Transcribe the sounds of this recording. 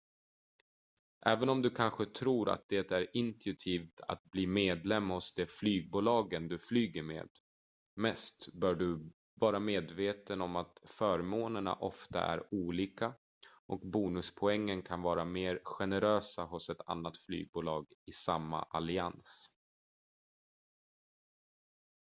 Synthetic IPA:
ʔɛːvənɔmd̪ɵkʰanɧət̪ʰɾuːɾa̰t̪̚d̪̥ɛt̪æɾɪnt̪ʰɵt̪ʰiːft̪ʰa̰t̪̚bliːmeːd̪lɛmːhʊsd̪ɛflyːɡ̚buːlɑːɡənd̪ɵflyːɡəɾmḛːd̪ | mɛst̪bœːɖɵ | vɑːɾameːd̪veːt̪ənɔmat̪fœːɾmoːnəɳa̰ʔɔft̪a̰ʔæ̰ɾuːliːka | ʔɔkbuːnɵspʰɔɛŋːənkʰanvɑːɾameːɾɧɛnəɾøːsaɦʊsɛt̪ʰa̰nːat̪fly̰ːɡ̚buːlɑːɡɪsamːa̰ʔalɪans

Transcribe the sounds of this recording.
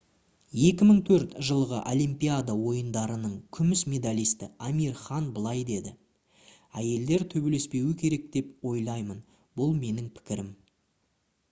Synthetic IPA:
je̞kʲɪməɴt̪ʰɵɾt̪ʒəlˠʁəʔolʲˠimpʲijad̪awo̞jənd̪ɑɾənəɴkʲʰʏmɪsmʲe̞d̪alʲijst̪ɪ̰amʲirχɑnbəlˠɑjd̪e̞d̪ɪ | æje̞ld̪e̞ɾt̪ʰɵbele̞spe̞wɪkʲʰe̞ɾe̞k̚d̪e̞pwo̞jlˠɑjmən | bʊlˠme̞nɪŋpʰɪ̥kʲɪɾɪm

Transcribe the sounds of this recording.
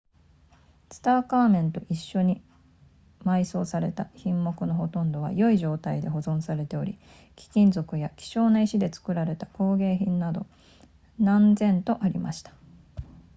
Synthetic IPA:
sɨ̥t̪aːkaːmẽ̞nt̪o̞ʔiɕːo̞ɲ̟i | maiso̞ːsaɾe̞t̪açĩmːo̞kɯ̟no̞ɦo̞t̪õ̞nd̪o̞β̞a̰jo̞iʑo̞ːt̪aid̪e̞ɦo̞zõ̞ɰ̃saɾe̞t̪e̞o̞ɾʲḭ | kʲi̥kʲĩnd͡zo̞kɯ̟jakʲi̥ɕo̞ːnaiɕid̪e̞t͡sɨ̥kɯ̟ɾaɾe̞t̪ḁko̞ːɡe̞ːçĩnːad̪o̞̰ | nãnzẽ̞nt̪o̞ʔaɾʲima̰ɕi̥t̪ḁ

